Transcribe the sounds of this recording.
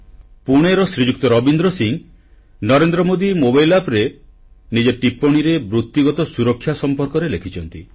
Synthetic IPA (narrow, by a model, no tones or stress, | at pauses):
puɽ̃eɾɔsɾid͡ʒuk̚t̪ɔɾɔbind̪ɾɔsiŋ | nɔɾend̪ɾɔmod̪imobajlapɾe | nid͡ʒeʈipɔɽ̃iɾebɾut̪ːiɡɔt̪ɔsuɾɔkʰːjasɔmpɔɾkɔɾelekʰit͡ʃʰɔnt̪i